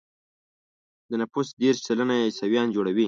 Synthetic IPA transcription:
d̪ənapusd̪eɾʃsalanajesawjɑnd͡ʒoɽawi

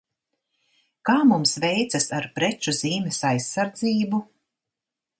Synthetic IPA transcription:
kaːmumsvɛjt̪sasaɾpɾɛt͡ʃuz̥iːmɛsajsːaɾd̪ziːbu

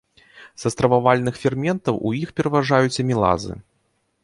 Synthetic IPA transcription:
zɐst̪ɾɐvavalʲnɨxfʲɛrmʲɛnt̪ɐwʔujixpʲɛɾɐvaʐajut͡sʲɐmʲilˠa̰zɨ̰

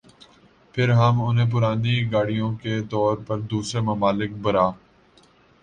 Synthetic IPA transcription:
pʰɪɾɦəmʊnɦẽp̬ʊɾaːniɡaːɽijõket̪ɔːɾpɐɾd̪uːsɾemɐmaːlɪk̚bɐɾaː

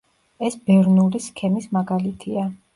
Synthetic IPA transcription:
ɛsbɛɾnuɾiskʰɛmismaɡalit̪ʰia

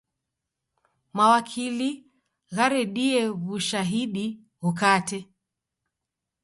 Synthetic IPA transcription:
mawakʰili | ɣaɾɛɗiɛβuʃaɦiɗi | ɣukatɛ

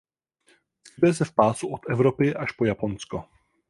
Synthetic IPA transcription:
sɪbɛs̬ɛfpaːsuʔot̪ɛvɾopɪʔaʃpojapo̞nsko

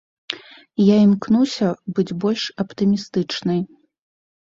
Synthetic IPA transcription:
jaimknuwsʲɐbɨd͡zʲbɔlʲʂɐpt̪ɨmʲist̪ɨt͡ʂnɨj

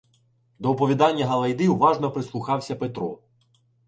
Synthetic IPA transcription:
d̪ɔɔpɔʋʲid̪ɑnʲːɐɦɐlˠɐjd̪ɪwʋɑʒnɔpɾɪslˠʊxɑwsʲɐpet̪ɾɔ̰

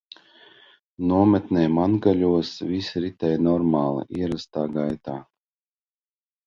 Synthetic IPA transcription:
nuɔmɛt̪nʲɛjmanɡalʲuɔsvisɾit̪ɛjnɔɾmaːlˠɨ̰ʔiɛɾast̪aːɡajt̪aː

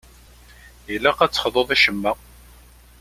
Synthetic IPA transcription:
jəlːæqæt͡sːə̥χðˤoðˤiʃəmːæ

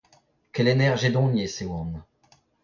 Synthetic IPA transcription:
kɛlenɛʁʒed̪ɔ̃ɲesewɔ̃n

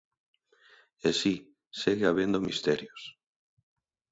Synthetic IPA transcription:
esi | seɣɪaβend̪ʊmist̪ɛɾjʊs

